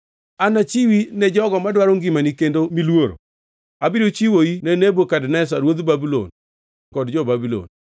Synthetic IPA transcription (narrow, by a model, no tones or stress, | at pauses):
anat͡ʃiwinɛd͡ʒɔɡɔmadwaɾoŋɡɪmanikendomilwoɾo̰ | abiɾot͡ʃiwoinɛnebokadnɛs̬aɾwod̪babilo̰n | kɔdd͡ʒɔbabilo̰n